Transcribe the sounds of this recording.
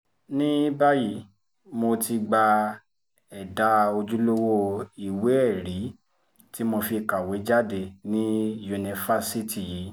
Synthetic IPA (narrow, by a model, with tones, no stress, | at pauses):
nĩ˦ba˦ji˨˦ | mo˧ti˧ɡ͡ba˧ | ɛ˨da˨˦o˧d͡ʒu˦lo˦wo˦i˦˨we˨˦ɛ˦˨ɾi˨˦ | ti˦mo˧fi˧ka˨we˨˦d͡ʒa˦de˧nĩ˦ju˧nĩ˧fa˦˨si˦ti˨ji˨˦